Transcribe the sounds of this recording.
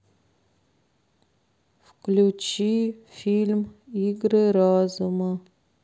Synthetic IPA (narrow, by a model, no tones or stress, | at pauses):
fklʲut͡ɕifʲilʲmiɡɾɨɾazumə